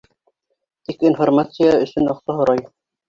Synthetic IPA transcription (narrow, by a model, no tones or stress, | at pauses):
t̪ikinformat̪sɨjaɵ̆sɵnɑqsɑɦŏɾɑj